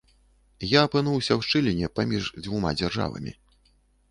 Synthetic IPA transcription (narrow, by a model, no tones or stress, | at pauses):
jaːpɨn̪uwsʲɐwʂt͡ʂɨlʲinʲɛpamʲiʐd͡zʲvuma̰d͡zʲarʐa̰vɐ̰mʲḭ